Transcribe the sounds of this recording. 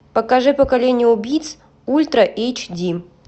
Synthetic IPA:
pəkɐʐɨpəkɐlʲenʲɪjəubʲijt̪s | ulʲt̪ɾəʔejt͡ɕdʲi

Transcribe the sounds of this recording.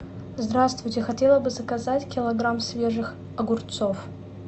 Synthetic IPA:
zd̪ɾast̪vʊjtʲɪxɐtʲelˠəbɨzɐkɐzatʲkʲɪlˠɐɡɾamsvʲeʐɨx | ɐɡʊrt̪sof

